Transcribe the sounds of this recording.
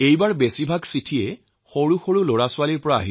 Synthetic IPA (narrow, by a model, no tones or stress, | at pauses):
ejbaɹbesibʱaɡsitʰiɛ | xoɹuxoɹuloɹasʊwaliɹpɔɹaa̰ɦi